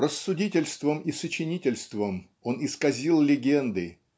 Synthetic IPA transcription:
rəsːʊdʲitʲɪlʲst̪vəmisət͡ɕɪnʲitʲɪlʲst̪vəm | o̞nɪskɐzʲilˠlʲɪɡʲend̪ɨ

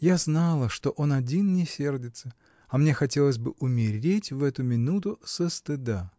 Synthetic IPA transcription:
jaznɑlˠəʂt̪o̞ʔo̞nɐdʲinnʲɪsʲe̞rdʲɪt̪sə | ɐmnʲe̞xɐtʲe̞lˠəsʲbɨ̰ʔʊmʲɪɾʲetʲvɛt̪ʊmʲɪnut̪ʊsəst̪ɨd̪a

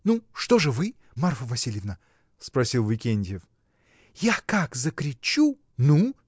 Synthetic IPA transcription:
nuʂt̪o̞ʐɨvɨ | marfəvɐsʲilʲjɪvnə | spɾɐsʲilˠvʲɪkʲenʲdʲɪjɪf | jakakzəkɾʲɪt͡ɕu | nu

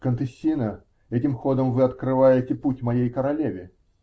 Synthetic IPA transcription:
kənt̪ɨsʲːinə | ɛtʲɪmxo̞d̪əmvɨɐt̪kɾɨvajɪtʲɪputʲmɐjejkəɾɐlʲevʲɪ

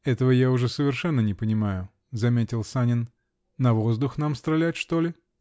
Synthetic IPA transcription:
ɛt̪əvəjaʊʐɛsəvʲɪrʂɛnːənʲɪpənʲɪmajʊ | zɐmʲetʲɪlˠsanʲɪnː | ɐvo̞zd̪ʊxnamst̪ɾɐlʲætʲʂt̪olʲɪ

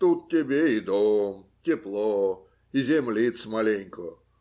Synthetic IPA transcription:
t̪ut̪̚tʲɪbʲeid̪omtʲɪplˠo | izʲemlʲit̪smalʲenʲko

